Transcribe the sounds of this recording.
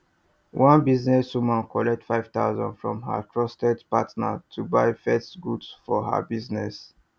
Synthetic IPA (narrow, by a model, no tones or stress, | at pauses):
wʔãnbiznɛswumãnkɔlɛk̚tfaɪv̥t̪a̰ʊzɔ̰̃nfɹɔ̰̃mɦa̰kʰɹɔstɛdpatna̰tʰubaɪfɛsɡudsfɔɦa̰biznɛs